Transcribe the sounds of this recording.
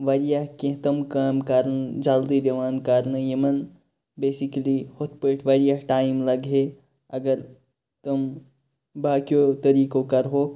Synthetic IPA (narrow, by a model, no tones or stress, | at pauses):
ʋɐɾijaɦkẽt̪ɐmkaːmkɐɾnd͡ʒald̪id̪ɐʋaːnkɐɾnɐjɐmɐn | beːsiklihot̪peːʈʰʋɐɾijaɦʈaːimlɐɡɦe | ɐɡəɾ | t̪ʊm | baːkijot̪ɐɾiːkokɐɾɦoː